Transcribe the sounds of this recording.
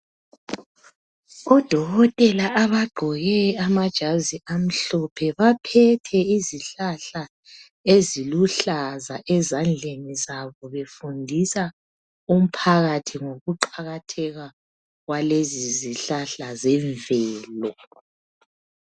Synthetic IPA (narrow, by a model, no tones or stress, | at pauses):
ɔd̥ʱɔɣɔtʼɛlaʔaβaɡ͡ǃʱɔɣɛamad̥ʒ̥ʱaziam̩ɬɔpʰɛβapʰɛtʰɛiziɬaɬa | eziluɬazaʔɛzand͡ɮʱenizaβɔβefundʱisa | um̩pʰaɣatʰiŋoɣuǃaɣatʰɛɣa | ɣwaleziziɬaɬazɛɱvɛːlɔ